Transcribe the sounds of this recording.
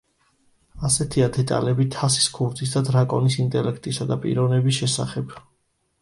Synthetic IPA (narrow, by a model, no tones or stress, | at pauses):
asɛt̪ʰiad̪ɛt̪ʼa̰lɛbit̪ʰasi̥skʰuɾd̪zis̬d̪ad̪ɾakʼɔ̰nisint̪ʼɛlɛkʰt̪ʼisad̪apʼḭɾɔvnɛbis̬ʃɛsa̰χɛb̥